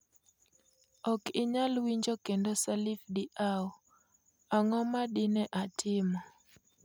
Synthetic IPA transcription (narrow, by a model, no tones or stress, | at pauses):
ɔkɪɲalwiɲd͡ʒɔkendɔsalifdiʔaɔ | aŋɔmaɗɪnɛʔatʰɪmɔ